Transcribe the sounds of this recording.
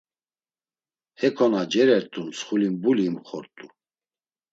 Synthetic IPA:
hɛkʰɔnad͡ʒɛɾɛɾt̪ʼunt͡sʰχulinbulimχɔɾt̪ʼu

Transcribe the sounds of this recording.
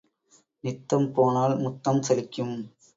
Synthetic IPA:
nɪt̪ːɐmpoːnaːlmʊt̪ːɐmsɐlɪkʲːɯm

